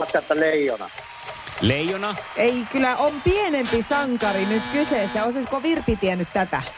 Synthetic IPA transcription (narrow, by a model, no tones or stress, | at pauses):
ɑt̪kɑet̪ːæleijonɑ̰ | leijonɑʔeikylːˑæʔompienempisɑŋkɑrinyt̪kyseˑsːæoˑseskoʋirpit̪iænːyt̪t̪æt̪æ̰